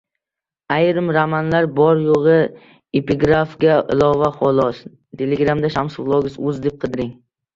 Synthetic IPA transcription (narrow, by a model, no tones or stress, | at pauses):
ajɾɪmɾamanlaɾbɒɾjoʁɨ | epiɡɾafɡʲaʔɪ̰lˠɒvaχɒlˠɒs | t̪ʰeleɡɾamd̪aʃamsʊʁlˠɒɡʲɪzʊzd̪ep̚qʰɨd̪ɪɾɪŋ